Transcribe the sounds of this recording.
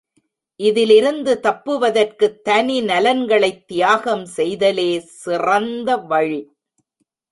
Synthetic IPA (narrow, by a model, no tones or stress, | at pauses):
ʔɪðɪlɪɾɯnd̪ɯt̪ɐpːɯʋɐðɐrkɯt̪ːɐninɐlɐnɡɐɭɐɪt̪ːɪjaːɣɐmsɛjðɐleːsɪrɐnd̪ɐʋɐɻi